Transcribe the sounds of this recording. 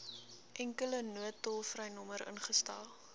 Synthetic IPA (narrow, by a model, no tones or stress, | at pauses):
ʔɛŋkələnuətːɔlˠfrɛjnɔməɾə̰nχəstɑːlˠ